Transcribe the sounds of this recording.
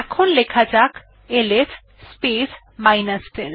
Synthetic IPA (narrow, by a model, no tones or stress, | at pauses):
ɛkʰonlekʰad͡ʑak | eles | spis | majnasʈel